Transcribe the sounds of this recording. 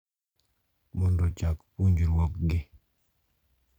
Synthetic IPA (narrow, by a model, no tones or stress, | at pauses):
mɔndɔt͡ʃakpuɲd͡ʒiɾwɔkɡɪ